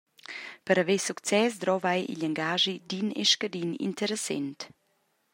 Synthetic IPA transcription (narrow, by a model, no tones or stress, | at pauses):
pəɾavesukt͡sɛs̬d̪ɾɔvajḭʎaŋɡaːʒidinḛʃkadinḭnt̪ʰəɾəsɛ̰nt̪